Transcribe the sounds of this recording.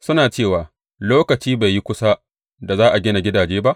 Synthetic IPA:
sʊ˦naː˨t͡ʃeː˦˨waː˨ | loː˦kɐ˨t͡ʃiː˦ba˨jːi˦kʷʊ˦sa˦ | da˨zaː˦ʔa˨ɡʲɪ˦na˨ɡʲɪ˦daː˨d͡ʒeː˦ba˦ʔ

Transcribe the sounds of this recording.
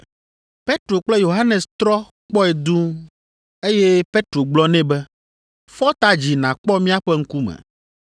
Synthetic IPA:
pe˦t̪ɾo˨k͡plɛ˦jo˨ɦa˦nɛ˨st̪ɾɔ˦ | k͡pɔ˦ɛ˨d̪u˦ | e˦je˦pe˦t̪ɾo˨ɡ͡blɔ˦nɛ̃˦bɛ˦ | fɔ˦t̪a˦d͡ʑi˨nã˨k͡pɔ˦mĩ˦a˦ɸɛ˦ŋ̩˦ku˦mɛ̰̃˨

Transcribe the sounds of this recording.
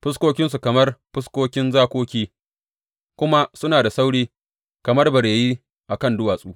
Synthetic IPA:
ɸɪ˦s̬kʷoː˦kʲɪ˦ns̬u˨kɐ˨mɐ˦rɸɪ˦skʷoː˦kʲɪ˦nzaː˦kʷoː˦kʲiː˦ | kʷʊ˦ma˦sʊ˦naː˨da˨sa˦wɽiː˦ | kɐ˨mɐ˦rbɐ˨ɽeː˨jiː˦ | ʔa˨kɐ˦ndʊ˦waː˨sʼuː˦

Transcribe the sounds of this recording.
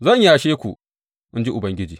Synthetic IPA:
zɐ˦˨ɲjaː˨ʃeː˦kʷṵ˨ | ʔɪ˦nd͡ʒi˦ʔʊ˨bɐ˦ŋɡʲɪ˦d͡ʒiː˨

